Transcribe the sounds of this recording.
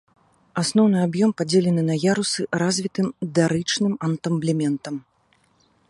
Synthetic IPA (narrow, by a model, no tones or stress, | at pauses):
asnɔwnɨabjɔmpad͡zʲelʲɛnɨnɐjaɾusɨɾazʲvʲit̪ɨmd̪aɾɨt͡ʂnɨmɐnt̪ɐmblʲimʲɛnt̪ɐm